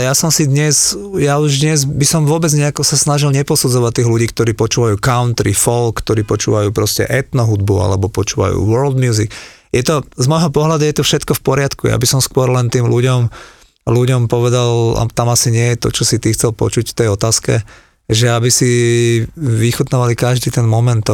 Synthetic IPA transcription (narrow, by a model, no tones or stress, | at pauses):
ɛjasɔmsid̪ɲɛzjauʒd̪ɲɛzbisɔmʋʊɔbɛd͡zɲɛakɔsasnaʒilɲɛpɔsud͡zɔʋat̪ːiːɦluɟiːkt̪ɔɾiːpɔt͡ʃuːʋajuːkaʊnt̪ɾifɔlkːt̪ɔɾiːpɔt͡ʃṵʋajuːpɾɔscɛ̰ʔɛt̪nɔɦud̪bua̰lɛbɔpɔt͡ʃuːʋa̰jṵːʋɔɾld̪mjuːzik | jɛt̪ɔzmɔjɦɔpɔɦlad̪ujɛt̪ɔfʃɛt̪kɔfpɔɾɪat̪kuja̰bisɔmskʊɔɾlɛnt̪iːmluɟɔm | luɟɔmpɔʋɛd̪ala̰t̪amasiɲɪɛjɛt̪ɔ̰t͡ʃɔsit̪ixt͡sɛlpɔ̰t͡ʃucft̪ɛjɔt̪aːskɛ̰ | ʒɛabisi | ʋixut̪nɔʋalikaʒd̪iːt̪ɛnmɔmɛnt̪ː